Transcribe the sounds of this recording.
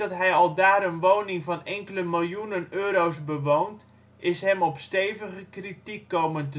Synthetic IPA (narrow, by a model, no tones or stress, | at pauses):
ɑtɦɛjɔlˠdaːɾənʋownɪŋvɑnɛŋkələmɪlˠjunənøːɾowsbəʋownt | ʔɪsɦɛmɔpsteːvəɣəkritikːowməntə